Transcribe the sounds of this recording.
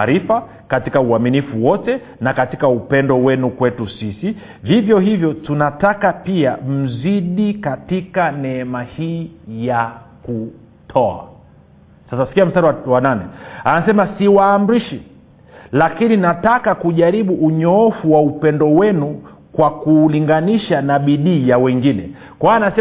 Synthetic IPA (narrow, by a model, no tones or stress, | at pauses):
ɾifa | katikauaminifuwɔtɛ | nakatikaupɛndɔwɛnukwɛtusisi | vivjɔhivjɔtunatakapiam̩ziɗikatikanɛɛmahiːjaku | tʰɔa̰ | sasasi̥kiam̩staɾiwananɛ̰anasɛmasiwaːm̩ɾiʃi | lakininatakakuʄaɾiɓuʔːɲɔɔfuwaupɛndɔwɛnu | kwakuliŋɡaniʃanaɓiɗiːjawɛŋɡinɛ̰ | kwaanasɛ